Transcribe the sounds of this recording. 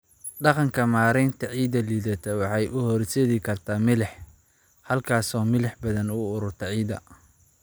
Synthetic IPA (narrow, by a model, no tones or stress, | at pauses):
ɖɑqɑŋkʰɐmaːɾɛnt̪ʰɐʕiːðɐliːðɐt̪ʰɛwɑħɑjʔʊhɔrsɛðɪkʰɐrt̪ʰaːmɪlɛħ | hɐlkʰaːsɔːmɪlɛħbɐðɐnʊʊɾʊrt̪ʰɐʕiːðɐ̰